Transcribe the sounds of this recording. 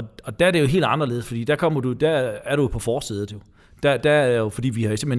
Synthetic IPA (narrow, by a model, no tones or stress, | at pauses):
ɒɒ̽d̥æɐde̝jo̝ɦe̝̰ːld̥ɑ̈nɐle̝ːð̩ˠsfɒ̽dḭːd̥ækʰɒ̽m̰ɐd̥ud̥ææɐɾuopʰɒ̽fɒːsið̞̩ˠjo̝ | d̥æd̥æjo̝fɒ̽d̥ḭːʋihɑ̈jo̝se̝mhe